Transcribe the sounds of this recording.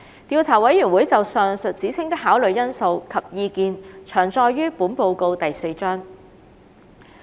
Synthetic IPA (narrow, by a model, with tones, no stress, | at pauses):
t̪iː˨˧wt͡sʰaː˨˩wɐ˨˥jːyː˨˩nwuː˨˥jt͡sɐ˨wsœː˨ŋsɵ˨t̚t͡siː˨˥t͡sʰɪ˥ŋt̪ɪ˥k̚haː˨˥wlɵ˨ɥjɐ˥nso˧wkʰɐ˨p̚jiː˧kiː˨nt͡ʃʰœː˨˩ŋt͡sɔː˧jːyː˥puː˨˥npo˧wko˧wt̪ɐ˨jse˧jt͡ʃœː˥ŋ